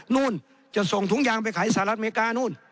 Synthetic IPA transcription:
nuː˧˥˨n | t͡ɕa˧˩so˨˩ŋt̪ʰu˦˥ŋ̚jaː˧˩ŋpa˧˨jkʰa˨˩˦jsaː˧˦˨la˧˥t̪̚e˧˥kaː˧˨nuː˧˥˩n

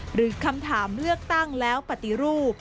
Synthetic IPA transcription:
ɾɯː˩˦kʰa˧mt̪ʰaː˩˦mlɯ˥˩ək̚t̪a˥˩ŋlɛː˦˥wpa˨˩t̪i˧ɾuː˥˩p̚

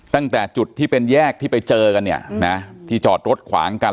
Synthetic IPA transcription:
t̪a˥˩ŋt̪ɛː˨˩t͡ɕu˨˩t̪ʰːiː˥˩pe˧njɛː˥˩k̚t̪ʰiː˥˩pa˧jt͡ɕɤː˧ka˧nːi˦˥˩ɐna˦˥t̪ʰiː˥˩t͡ɕɔː˨˩t̪̚ɾo˦˥t̪̚kʰwa̰ː˩˦ŋka˧

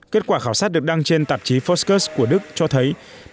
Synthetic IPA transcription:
ke˦˥t̚kwaː˧˩xaː˧˩wsaː˦˥t̚ɗɨ˨˩ək̚ɗ̪a˧ŋt͡ɕe˧nt̪a˨˩p̚t͡ɕi˨˦fɔ˦˥skəː˦˥sku˧˩əɗɨ˦˥k̚t͡ɕɔ˧t̪ʰə˨˦j

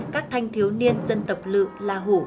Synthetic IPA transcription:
kaː˦˥k̚t̪ʰa˧jŋ̟t̪ʰi˨˦əwni˧ənzə˧nt̪ə˨˩p̚lɨ̰˧˨laː˨˩ɦo˧˩

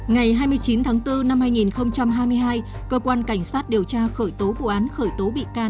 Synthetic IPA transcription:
ŋa˨˩jɦaː˧jmɨ˧əjt͡ɕi˨˦nt̪ʰaː˨˦ŋt̪ɨ˧na˧mhaː˧jŋi˨˩nxə˧wŋ͡mt͡ɕa˧mɦaː˧jmɨ˧əjɦaː˧j | kəː˧kwaː˧nka˧˩jŋ̟saː˦˥t̚ɗi˨˩əwt͡ɕaː˧xəː˧˩jt̪o˨˦vṵ˧˨ʔaː˨˦nxəː˧˩jt̪o˨˦ɓḭ˧˨kaː˧˩n

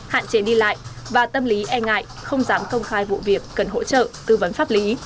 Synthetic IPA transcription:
ha̰ː˧˨nt͡ɕe˨˦ɗi˧la̰ː˧˨jvaː˨˩t̪ə˧mli˨˦ʔɛ˧ŋa̰ː˧˨jʔxə˧wŋ͡mzaː˨˦mkə˧wŋ͡mxaː˧jvṵ˧˨vi˨˩əkːə˨˩nɦo̰˧˥t͡ɕə̰ː˧˨t̪ɨ˧və˨˦nfaː˦˥p̚li˨˦

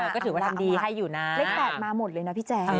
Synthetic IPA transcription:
ɛ˧˦˩kɔ˥˩t̪ʰɯː˩˦wa˥˩t̪ʰa˧mdiː˧˩ɦa˥˩jːuː˨˩na˦˩le˦˥k̚p̪ɛː˨˩t̪̚maː˧mo˨˩t̪̚lɤː˧jna˦˥pʰiː˦˥˩t͡ɕɛː˧

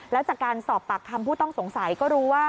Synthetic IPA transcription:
lɛː˦˥wt͡ɕaː˨˩kːaː˧nsɔː˨˩pːa˨˩k̚t̪ʰa˧mpʰuː˥˩t̪ɔ˥˩ŋso˩˦ŋsa˨˩˦jkɔː˥˩ɾuː˦˥waː˥˩

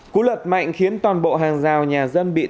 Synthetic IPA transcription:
ku˧˦lwə˨˩t̚ma̰˧˨jŋ̟xi˨˦ənt̪waː˨˩nɓo̰˧˨ɦaː˨˩ŋzaː˨˩wɲaː˨˩zə˧nɓḭ˧˨

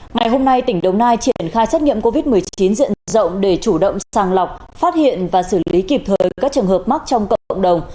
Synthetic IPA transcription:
ŋa˨˩jɦo˧mna˧jt̪ï˧˩ŋ̟ɗə˨˩wŋ͡mnaː˧jt͡ɕi˧ə˩nxaː˧jsɛ˦˥t̚ŋḭ˧˨mko˧vi˦˥t̚mɨ˨˩əjt͡ɕi˨˦nzḭ˧˨ənzə̰˧˨wŋ͡mɗe˧˩t͡ɕu˧˩ɗə̰˧˨wŋ͡msaː˨˩ŋla˨˩wk͡p̚faː˦˥t̚hḭ˧˨ənvaː˨˩sɨ˧˩li˨˦ki˨˩p̚t̪ʰəː˨˩jkaː˦˥k̚t͡ɕɨ˨˩ənhəː˨˩p̚ma˦˥k̚t͡ɕɔ˧wŋ͡mkə̰˧˨ə̰˧˨wŋ͡mɗə˨˩wŋ͡m

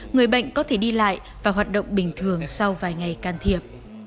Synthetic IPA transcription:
ŋɨ˨˩əjɓə̰˧˨jŋ̟kɔ˨˦t̪ʰe˧˩ɗi˧la̰ː˧˨j | vaː˨˩ɦwaː˨˩t̚ɗə̰˧˨wŋ͡mɓï˨˩ŋ̟t̪ʰɨ˨˩əŋsa˧wvaː˨˩jŋa˨˩jkaː˧nt̪ʰi˧˩əp̚

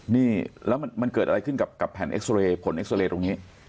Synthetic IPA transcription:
niː˥˩lɛː˦˥wma˧nma˧nkɤː˨˩ʔa˧a˧jkʰɯ˥˩nka˨˩p̚ka˨˩pʰːɛː˨˩nʔḛ˦˥k̚sleː˧pʰo˩˦nʔe˦˥k̚sleː˧t̪o˧ŋiː˦˥

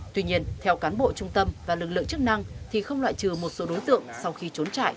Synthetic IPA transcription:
t̪wi˧ɲi˧ənt̪ʰɛ˧wkaː˨˦nɓo̰˧˨t͡ɕʊ˧ŋ͡mt̪ə˧mvaː˨˩lɨ˨˩k̚lɨ̰˧˨əŋt͡ɕɨ˦˥k̚na˧ŋt̪ʰi˨˩xə˧wŋ͡mlwa̰ː˧˨jt͡ɕɨ˨˩mo˨˩t̚so˨˦ɗo˨˦jt̪ɨ̰˧˨əŋsa˧wxi˧t͡ɕo˨˦nt͡ɕa̰ː˧˨j

